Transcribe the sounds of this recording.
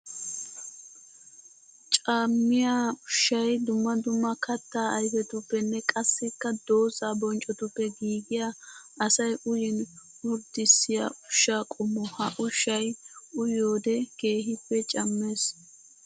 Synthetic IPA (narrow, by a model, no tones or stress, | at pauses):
t͡ʃʼaːmːɪjaːʊʃːɐjd̪ʊmːɐd̪ʊmːɐkʰɐt̪ːaːʔɐjfɛt̪ʊpːɛnːɛkʼɐsːɛkːɐd̪o̞ːzaːbɔnt͡ʃʼɔt̪ʊpːɛɡiːɡɪjaʔɐsɐjʊjɪn | wɔɾd̪ɪsːɪja̰ʔʊʃːaːkʼɔmːɔhɐʔʊʃːɐjʊjoːd̪ɛɡ̥e̞ːɦɪpːɛt͡ʃʼɐmːeːs